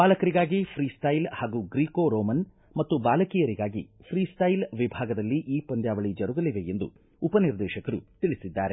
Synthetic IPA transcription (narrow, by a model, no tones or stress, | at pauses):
baːlɐkɐɾiɡaːɡipʰɾiːsʈɐjlhaːɡuːɡɾiːkoːɾoːmɐn | mɐt̪ːubaːlɐkijɐɾiɡaːɡḭ | pʰɾiːsʈ̪ɐjlʋibʱaːɡɐd̪ɐlːiʔiːpɐnd̪jaːʋɐɭid͡ʒɐɾuɡɐliʋe̞end̪ṵ | upɐniɾd̪ɛːʃɐkɐɾṵt̪iɭisid̪ːa̰ːɾe̞